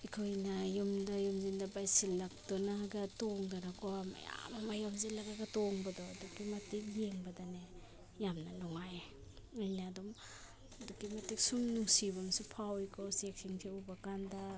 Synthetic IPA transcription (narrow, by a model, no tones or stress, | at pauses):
ikʰojnɐjumdajumzindɐbajsilːak̚dɔnaɡɐtoŋdaɾakoma̰ja̰mamajamzilaɡaɡɐtoŋbɐdɔdukimɐtik̚jeŋbɐdane | jamnɐnɔŋaj | ɯjnaːdɔm | dukimɐtik̚sumnuŋsibamsupʰawikʰɔwsek̚sʰiŋkʰeubakanda